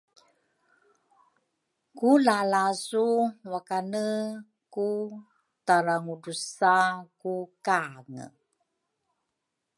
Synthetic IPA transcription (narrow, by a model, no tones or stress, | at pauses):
kulalasuwakanə | ku | taɾaŋudusakukaŋə̰